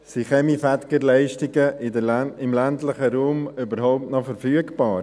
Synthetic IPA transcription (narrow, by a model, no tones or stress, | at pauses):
siχɛmifæt̪kəɾlɛɪʃtiɡəʔɪdɪmlæntlɪχəɾuːmybəɾhɔʊp̚tnɔfəɾfyːəkpɑːɾ